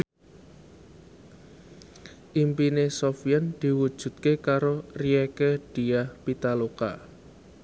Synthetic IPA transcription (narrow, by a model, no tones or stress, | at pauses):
ʔimpinesofijand̪̥i̤wud̥ʒ̥ṳt̪̚kekaɾoriekeɖ̥i̤ahpit̪aloka̰